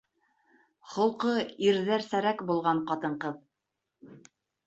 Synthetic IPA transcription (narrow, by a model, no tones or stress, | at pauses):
χŏlˠqɤiɾðæɾsæɾækbulˠʁɑɴqɑt̪ɤ̆ɴqɤð